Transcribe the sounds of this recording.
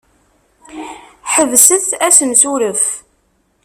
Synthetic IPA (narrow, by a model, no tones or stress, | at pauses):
ħəvsəθæsəmsuɾəf